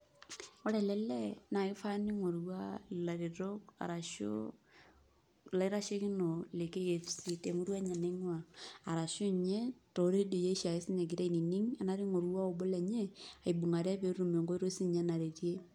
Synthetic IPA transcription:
o˦ɾɛ˨lɛ˦lɛ˦na˨i˦fa˦ni˦ŋo˨ɾwa˦la˨ɾe˨ɾo˦ka̰˨ɾa˨ʃo̰˦ | la˨i˦ɾa˦ʃe˦ki˦no˨le˨ke˦je˨fsi˦te˨mu˦ɾwa˦ɲa˨ne˦ŋwaː˨ɾa˨ʃo˦ɲe˦to˨˦ɾe˦do˨je˦ʃa˨i˦si˦ɲe˨ɡi˨ɾe˦i˨ni˨ni˦ŋa˨˦na˦ɾi˦ŋo˨ɾwa˦o˨bo˦lɛ˨ɲe˦a˨i˨bu˨ŋa˨ɾa˦pe˨˦ɾu˨me˨ŋɡo˦i˦ɾo˦si˦ɲɛ˨˦na˨ɾe˨ɾje˦

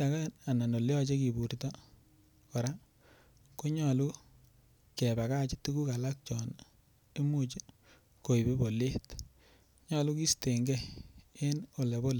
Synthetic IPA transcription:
ta˨ka˦a˨na˨no˨ljɔ˦t͡ʃe˦ki˨bu˨rtɔ˦ | o˨ɾa˦ | ko˦ɲɔ˨lu˦ | kɛ˨ba˨ka˦t͡ʃi˦tu˦ku˦ka˨la˦k̚t͡ʃɔ˨n | e˦mu˦t͡ʃe˦ | ko˨i˨be˦bo˨le˦t | ɲɔ˦lu˦ki˦ste˨ŋɡɛ˦e˦no˨le˨bo˦le˨

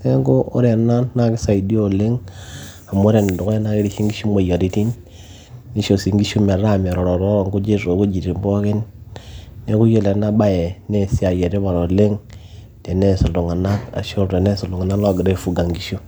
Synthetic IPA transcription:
e˦ɡo˦o̰˦ɾe˨na˦nːa˦ki˦sa˨i˨di˦o˦˨le˦ŋ | a˨mo˦ɾe˨n˨do˨ke˦na˦ki˦ɾi˨ʃi˦ŋɡi˦ʃu˦mo˨ja˨ɾi˦ti˦nː | i˦ʃo˨si˨ŋɡi˦ʃu˦m˨a˨ɾa˦˨me˨ɾo˨ɾo˨ɾo˦ɾa˨ŋku˦d͡ʒe˦so˨ku˦d͡ʒi˨ti˨m˦bo˦ki˦nː | e˦ku˦je˦le˨na˦ba˦je˨ne˦˨si˦a˨je˨te˦ba˨ɾo˨le˦ŋ | te˨ne˦˨su˨lu˨ŋa˨na˦ka̰˨ʃo˦te˨ne˦su˨lu˨ŋa˨na˦lo˦˨ɡi˨de˦˨fu˨ɡa˨ŋɡi˦ʃu˦

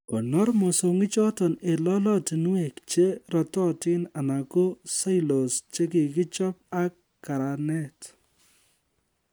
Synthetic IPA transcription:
ko˨nɔ˦rmɔ˨so˨ŋɪ˦t͡ʃɔ˦tɔ˨ne˨lɔ˦lɔ˦ti˨nu˦e˨kt͡ʃe˦ɾɔ˨tɔ˦tɪ˦na˨na˨ko˦sa˦jlo˨st͡ʃe˦ki˨kɪ˦t͡ʃɔ˦p̚a˦kːa˨ɾa˨nɛ˦t

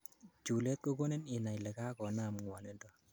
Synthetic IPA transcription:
t͡ʃu˨le˦t̪̚ko˦ko˦ne˦ni˨na˨jle˨ka˦kɔ˨na˦˨mŋwɔ˨ne˦ndɔ˨

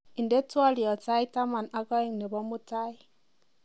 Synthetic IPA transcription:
i˨nde˦twa˦li˨ɔ˨ta˦i˦ta˦ma˨na˦ɡɔ˦i˦ŋne˨bɔ˦mu˦ta˦i˦

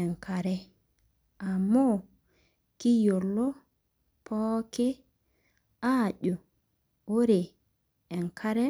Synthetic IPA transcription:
ɛ˨ŋkaɾɛ | a˨mːɔ | ki˦jo˨lːɔ˦ | pʰɔ˦kɛ | aɗɔ˨ | o˦ɾe | ɛ˨nkʰaɾɛ

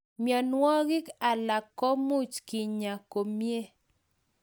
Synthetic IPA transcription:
mjɔ˨nwɔ˦ɡɪ˦ka˨la˨kːɔ˦mu˦t͡ʃki˨ɲa˨ko˨mje˦

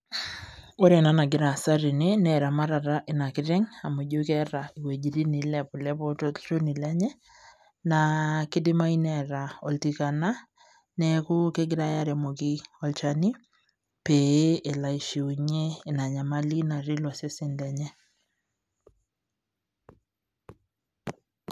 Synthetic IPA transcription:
o˦ɾe˨na˦na˨ɡɪ˨ɾa˨sa˦ɾi˨ne˦nɛ˨ɾa˨ma˦ɾa˨ɾa˦ʔe˨na˨kɪ˦ɾɛ˦ŋa˨mu˨ɟo˦kɛ˦ɾa˨i˨we˨d͡ʒi˨ɾi˦ni˨lɛ˨pʊ˨lɛ˦po˦to˦to˦ni˨lɛ˦ɲɛ˦ | na˨kɪ˦dɪ˦ma˦inɛ˨ɾa˨ɔ˨lti˨ka˨na˦ | nɛ˨kʊ˦ke˦ɡɪ˦ɾa˦ja˦ɾɛ˨mo˨ki˦ɔ˦lt͡ʃa˦ni˦ | pe˨e˦ʔe˨la˨i˨ʃi˨u˨ɲeː˦˨na˨ɲa˨ma˦li˦na˨ɾi˦lwɔ˨se˦se˦nlɛ˦ɲɛ˦

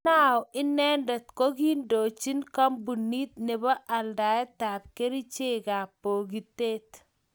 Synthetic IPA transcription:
na˦˨ɔ˨ɪ˦nɛ˦ndɛ˨t̪ko˦ɡi˦ndo˨t͡ʃi˦nka˦mbu˨nːi˦t̪̚ne˨bɔ˦ʔa˨lda˨ɛ˦ta˨p̚ke˦ɾi˦t͡ʃe˦ɡa˨pːo˨ɡi˨te˦t

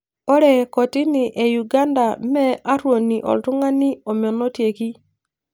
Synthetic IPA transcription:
ɔ˦ɾɛ˨kɔ˨tɪ˦nɪ˨ʔe˨ju˨ɡa˦nda˨mɛ˦a˦ɾwo˨ni˨ʔɔ̰˨ltʊ˦ŋa˦nɪ˦o˨mɪ˨ɔ˨nɔ˦tje˨ki˦

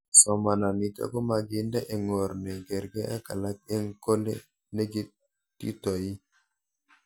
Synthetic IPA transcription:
so˨ma˨na˨mi˨ta̰˦ɡo˦ma˨ɡi˨nda˦ʔe˨ŋo˨ɾne˨ɡe˨ɾɡe˦a˦ka̰˨la˦k̚e˦ŋko˦lḛ˦ | ne˦ɡi˦ | tːḭ˦to˨ji˦

